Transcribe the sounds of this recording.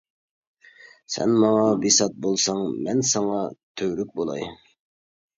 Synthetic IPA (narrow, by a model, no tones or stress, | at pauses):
sɛ̰nmɑŋɑbisɑt̪̚bolˠsɑŋmɛnsɑŋɑt̪ʰøɾyk̚ʲbolˠɑ̰j